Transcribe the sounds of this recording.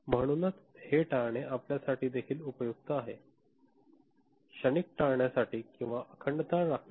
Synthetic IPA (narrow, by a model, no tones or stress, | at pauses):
m̤əɽ̃unat̪ | heʈaɭɳ̃eʔapljasaʈiːd̪ekʰiːlupəjuɡ̚t̪əaɦe | ɕənik̚ʈaɳjasaʈiːkĩw̃ʋaʔəkʰəɳɖt̪aɾːakʰ